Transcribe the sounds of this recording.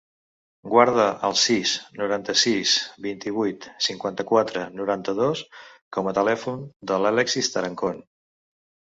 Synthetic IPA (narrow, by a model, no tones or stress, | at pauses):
ɡwaɾðəʔəlˠsisnuɾant̪əsisbint̪iβ̞ujt̪siŋkwant̪əkwat̪ɾənuɾant̪əðoskɔmət̪əlɛfund̪əlalɛksist̪əɾəŋkon